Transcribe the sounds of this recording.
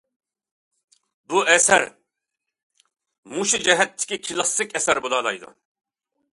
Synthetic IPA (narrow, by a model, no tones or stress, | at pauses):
buɛsɛ̰ɾ | muʃid͡ʒɛɦɛt̪ʰːi̥kʲʰikʰilɑsikʰɛsɛɾbolˠɑlɑ̰jd̪ṵ